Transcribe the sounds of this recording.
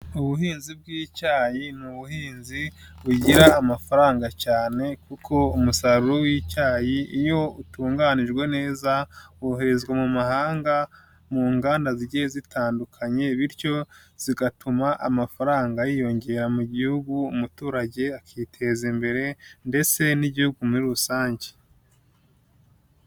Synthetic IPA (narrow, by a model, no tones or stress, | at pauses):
uβuhiːnzib̚ɡiːcaːjinuβuhiːnzi | βuɟiɾaːmafaɾaːŋɡacaːne̞kukʰo̞umusaɾuɾowiːcaːjiijo̞utuːŋɡaːniʒɡwe̞ne̞ːzaohe̞ɾe̞zɡwamumahaːŋɡa | muːŋɡaːndaziɟiezitʰaːndukʰaɲe̞βiɾco̞ | z̥iɡatumaʔamafaɾaːŋɡajiːjo̞ɲɟe̞ɾamuɟihuɡuːmutuːɾaɟe̞akʰiːtʰe̞zimbe̞ɾe̞nde̞t͡se̞niɟihuɡumuɾiɾusaːɲɟe̥